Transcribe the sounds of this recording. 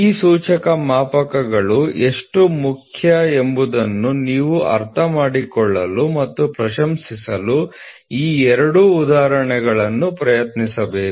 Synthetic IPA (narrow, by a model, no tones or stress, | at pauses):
iːsuːt͡ʃɐkɐmaːpɐkɐɡɐɭue̞ʂʈumukʰjɐembud̪ɐnːuniːʋuɐ̰ɾt̪ʰɐmaːɽikɔɭːɐlumɐt̪ːupɾɐʃɐmsisɐlu | iːɛɾɐɽuːd̪aːɾɐɳɛɡɐɭɐnːupɾɐjɐt̪nisɐbeːku